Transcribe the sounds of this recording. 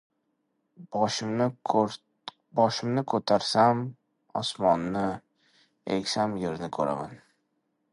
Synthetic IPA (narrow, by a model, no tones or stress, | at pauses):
ʃm | bɒʃɪmnɪkʰɵt̪ʰaɾsam | ɒ̰smɒnːɪ | ḛkʲsamjeɾɪnɪkʰɵɾa̰ma̰n